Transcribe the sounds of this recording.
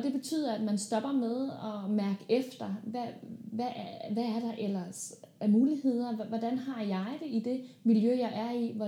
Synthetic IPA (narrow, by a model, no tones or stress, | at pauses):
ɒd̥e̝b̥e̝t͡sʰy̰ːð̰ˠɐæd̥mænsd̥ɒ̽b̥ɐmeð̞ˠɒ̽mæɐɡ̥əefd̥ɐʋæʋæʋææɐɾ̥ɑ̈ʔelɐsæɐmuːlihe̝ð̞̰ˠɐʋɒd̥ænɦɑ̈jɑ̈ɪd̥e̝id̥e̝miljøjɑ̈ɪʔæɐiʋɒ